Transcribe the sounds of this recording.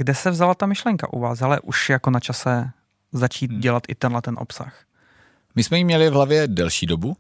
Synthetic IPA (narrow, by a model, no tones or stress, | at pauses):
ɡdɛsɛvzalat̪amɪʃlɛŋka̰ʔṵvaːsɦalɛʔuʃjako̞nat͡ʃasɛ | zat͡ʃiːt̪̚ɟɛlat̪ʔɪt̪ɛnɦlɛt̪ɛnʔo̰psa̰x | mɪsmɛjimɲɛlɪvɦlavjɛdɛlʃiːdobu